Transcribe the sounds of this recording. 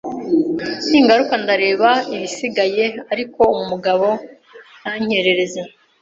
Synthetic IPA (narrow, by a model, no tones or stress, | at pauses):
niŋɡaɾukandaɾe̞ːβaiβisiɡaje̞aɾiko̞umumuɡaβo̞ | naɲ̥e̞ɾe̞ɾe̞ze